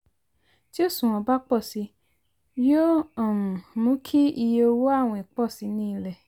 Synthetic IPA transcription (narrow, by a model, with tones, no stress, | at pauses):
d͡ʒi˦o˦˨sũ˨ɔ̃˧ba˦k͡pɔ˦˨si˨˧ | jo˦ɔ̃˨ũ˨mũ˨˦kʰi˦i˧je˧o˧wo˦a˦˨w̃ɔ̃˧i˨k͡pɔ˦˨si˨˧˦nĩ˦˧lɛ˨